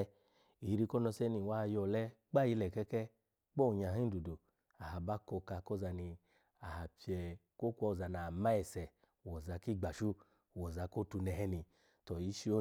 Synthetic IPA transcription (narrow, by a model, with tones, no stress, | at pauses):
i˨˧ɾi˧kɔ˦nɔ˧sɛ˦ni˨wa˦˧jɔ˧˨lɛ˦ɡ͡ba˦ji˧lɛ˨kɛ˧kɛ˦ | k͡pɔ˦˨ɲa˨ɦi˦do˨do˨ | a˨ɦa˨ba˦kɔ˧ka˧kɔ˦˨za˧ni˧ | a˨ha˨pi˧ɛ˧ko˦kʷɔ˧˨za˧na˨ma˦ɛ˨sɛ˨ | wɔ˨za˨˧˦ki˦˨ɡ͡ba˨ʃu˦ | wɔ˨za˧ko˦tu˧nɛ˧ɦɛ˦ni˧ | tɔ˨ji˧˦ʃi˦o˦